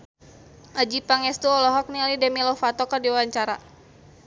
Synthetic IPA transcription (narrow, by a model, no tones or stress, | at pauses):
ʔad͡ʒipaŋɛst̪uɔlɔɦɔk̚nialidɛmilɔfat̪ɔkadiwawaɲt͡ʃaɾa